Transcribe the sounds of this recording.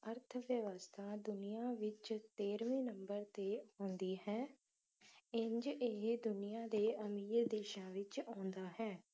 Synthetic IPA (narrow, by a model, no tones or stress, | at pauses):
əɾt̪ʰʋjəʋəst̪ʰaːd̪ʊnijãːʋɪt͡ʃt̪eːɾʋẽːnəmbəɾt̪eːaːnd̪iːɦɛː | ɪɲd͡ʒeɦd̪ʊnɪjãːd̪eːʔəmiːɾd̪eːʃãːʋɪt͡ʃãːnd̪aːɦɛː